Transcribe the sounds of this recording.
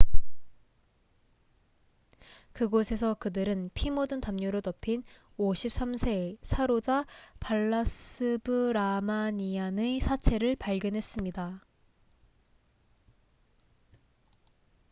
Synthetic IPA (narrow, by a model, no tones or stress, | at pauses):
kɯɡosʰe̞s̬ʰʌkɯdɯɾɯnpʰimodɯntamɲoɾotʌpʰin | oɕʰip̚s͈amsʰe̞sʰaɾod͡ʑapaɭːasɯbɯɾamaɲianɯsʰat͡ɕʰe̞ɾɯɭpaɭɡjʌnɦe̞s͈ɯmɲida